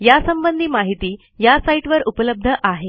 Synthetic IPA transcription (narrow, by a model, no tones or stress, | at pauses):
jasəmbənd̪ʱiːmaɦit̪iː | jasaiʈʋəɾupələb̚d̪ʱəʔaɦe